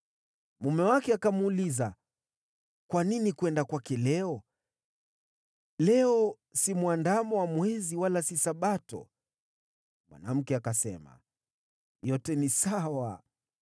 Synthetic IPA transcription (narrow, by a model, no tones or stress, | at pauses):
mumɛwakɛakamuːliza | kwaninikwɛndakwakɛlɛɔ | lɛɔ | simwandamɔwamwɛziwalasisaɓatɔ̰ | mwa̰na̰m̩kɛakasɛ̰ma̰ | jɔtɛnisawa